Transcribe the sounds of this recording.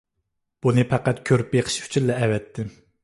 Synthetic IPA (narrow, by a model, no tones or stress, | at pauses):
b̥unɨpʰæqæt̪̚kʲʰøɾyp̚jeqʰə̥ʃʰy̥t͡ʃʰillɛɛvɛt̪ʰːɪ